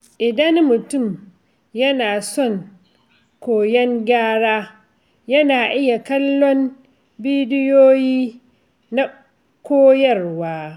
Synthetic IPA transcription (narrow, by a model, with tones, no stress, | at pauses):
ʔɪ˨dɐ˦nmʊ˨tʊ˦˨m | jɐ˦naː˨sɔ˦˨ŋ | kʷoː˨jɛ˦ŋɡʲaː˦ɽaː˦ | jɐ˦naː˨ʔɪ˦ja˨kɐ˦lːɔ˦m | biː˦dɪ˦joː˦jiː˦ | na˦ | kʷoː˦jɐ˦rwaː˦